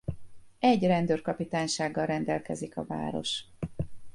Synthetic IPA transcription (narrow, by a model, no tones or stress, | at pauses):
ɛɟrɛnd̪øːrkɒpit̪aːɲʃaːɡːɒlrɛnd̪ɛlkɛzikɒ̰va̰ːɾo̞̰ʃ